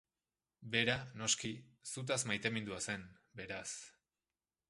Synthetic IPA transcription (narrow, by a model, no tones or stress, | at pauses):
be̞ɾano̞ski | sut̪̬asmajt̪e̞mind̪uase̞n | be̞ɾas